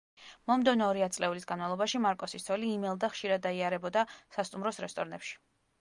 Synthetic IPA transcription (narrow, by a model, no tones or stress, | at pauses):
mɔmd̪ɔnɔːɾiat̪sʼlɛulisɡanmavlˠɔbaʃimaɾkʼɔsist̪ʰɔliːmɛlˠd̪aχʃiɾad̪ːaiaɾɛbɔd̪asast̪ʼumɾɔsɾɛst̪ʼɔɾnɛpʃi̥